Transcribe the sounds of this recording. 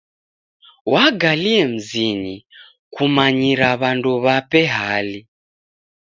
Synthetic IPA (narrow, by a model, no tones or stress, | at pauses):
waɡaliɛm̩zini | kumaɲiɾaβanduβapɛɦali